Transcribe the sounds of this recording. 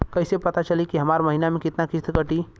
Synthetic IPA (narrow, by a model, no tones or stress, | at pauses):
kəɪsepət̪at͡ʃəlikiɦɐmaɾməɦinamẽkɪt̪nakɪst̪ʰkəʈi